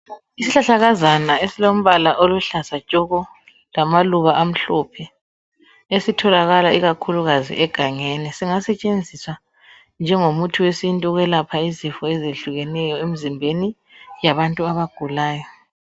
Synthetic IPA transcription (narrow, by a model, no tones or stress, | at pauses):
isiɬaɬaɣazanaesilom̩βalaʔoluɬasat͡ʃʼɔɣɔ | lamaluɣaʔam̩ɬɔpʰɛ | esitʰɔlaɣalaiɣakʰuluɣazḭʔɛɡ̥ʱaŋɛnɛsiŋasɛt͡ʃʼend͡zʱiswa | nd͡ʒʱɛŋomutʰiwesintʼuɣwɛlapʰaizifɔɛzeɬuɣɛnɛjɔem̩zimbʱeni | jaβantʼuaβaɡ̥ʱulaːjɔ